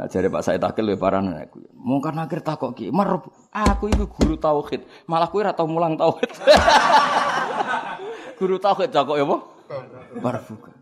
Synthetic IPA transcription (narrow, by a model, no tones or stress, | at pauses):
a̰̥d͡ʒ̥aɾipa̰ʔsait̪a̰kɪlwepaɾanana̰kumɔŋkarnakɪrt̪akɔʔkimərʊp̚ | ʔakuikuɡ̥uɾut̪auxɪt̪̚ | malahkuiɾat̪awmulaŋt̪auxɪt̪̚ | ɡ̥uɾut̪auxɪt̪̚d͡ʒakɔʔjapɔ | paɾb̥uka